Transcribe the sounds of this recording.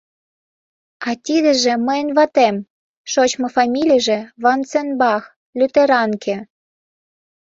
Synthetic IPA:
ɑt̪ʲid̪ə̆ʒĕməjə̆nβɑt̪em | ʃot͡ɕmɤ̆fɑmʲilʲijʒĕβɑnt͡senbɑx | lʲyt̪eɾɑnkʰĕ

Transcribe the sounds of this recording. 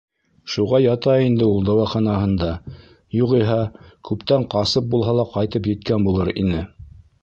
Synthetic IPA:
ʃuʁɑjɑt̪ɑind̪ɘulˠd̪ɑwɑχɑnɑɦɤ̆nd̪ɑ | juʁiɦɑkʉpt̪æɴqɑsɤp̚bulˠɦɑlˠɑqɑjt̪ɤp̬jɘ̆t̪kænbulˠɤɾḭnɘ

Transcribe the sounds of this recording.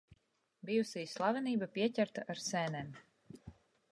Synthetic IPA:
bijusiːslˠavɛniːbapiɛcʲæɾt̪aʔaɾsɛnɛːm

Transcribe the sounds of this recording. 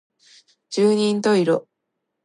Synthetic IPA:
d͡ʑɨːɲ̟ĩnd̪oiɾo

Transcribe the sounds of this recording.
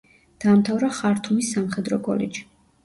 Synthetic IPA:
d̪̥aːmt̪ʰavɾaχaɾt̪ʰumisːamχɛd̪ɾɔkʼɔ̰lɛ̰d͡ʒi̥

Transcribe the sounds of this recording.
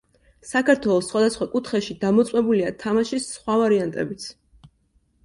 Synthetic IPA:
sakʰaɾt̪ʰwɛlˠɔsːχwad̪asχwakʼut̪ʰχɛʃid̪amɔt̪sʼɛbuliat̪ʰamaʃisχwavaɾiant̪ʼɛ̰bit̪sʰ

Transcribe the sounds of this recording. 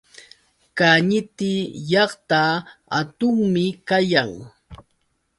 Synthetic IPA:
kaɲɪt̪ɪjɑχt̪aa̰t̪ʊŋmɪkajaŋ

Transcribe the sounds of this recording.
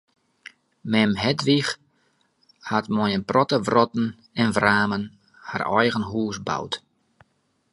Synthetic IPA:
mɛmɦɛtʋix | hatmɔjənprɔtəvrɔtn̩ | ɛnvraːmən | ha̰rɔ̰jɣənɦuːsba̰wt

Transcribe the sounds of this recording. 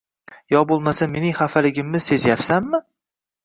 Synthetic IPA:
jɒbolˠmasame̞nɪŋχafalɪɡʲɪmːɪse̞zjapsamːɪ

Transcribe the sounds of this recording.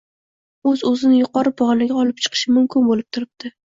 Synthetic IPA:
ɵzɵzɪnɪjʊqʰɒɾɪbɒʁlɪɡʲaɒlˠɪp̚t͡ʃʰɨ̥qʰɨ̥ʃɪmʊmkʲɪnbolɪp̚t̪ʰʊɾɪb̚t̪ʰɪ

